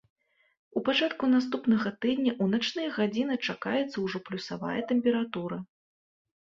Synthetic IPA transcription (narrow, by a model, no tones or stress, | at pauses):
upat͡ʂat̪kunas̬t̪upnɐɣɐt̪ɨd̪ʲnʲɐʔunat͡ʂnɨjɐɣad͡zʲinɨt͡ʂakajɛt̪sɐwʐɔplʲusava̰jɐt̪ɛmʲpʲɛɾat̪uɾɐ